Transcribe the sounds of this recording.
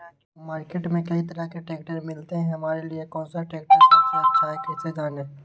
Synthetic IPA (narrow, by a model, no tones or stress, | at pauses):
maːɾkeːʈmẽkɐit̪əɾakeʈeːkʈəɾmɪlt̪eɦɛ̃ɦɐmaːɾeliekɔ̃ːnsaʈeːkʈəɾsat͡ʃaːekɛːsed͡ʒaːneː